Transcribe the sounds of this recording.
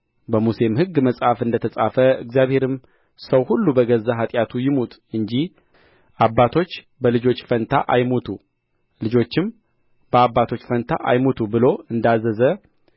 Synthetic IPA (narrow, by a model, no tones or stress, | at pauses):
bəmusemhɨɡːməsʼhafɨnd̪ət̪ʰəsʼafəɨ̰ɡzijaβhe̞ɾɨm | səwhulːubəɡəzaɦat̪ʼjat̪ʰujɪmut̪ʼɨɲd͡ʒih | ʔabːat̪ʰo̞t͡ʃː | bəlɨd͡ʒo̞t͡ʃːfənt̪ʰaʔajmot̪ʰu | lɨd͡ʒo̞t͡ʃːɪm | b̥əabːat̪ʰo̞t͡ʃːfənt̪ʰa̰ʔa̰jmot̪ʰubɨlo̞ɨnd̪azːəzə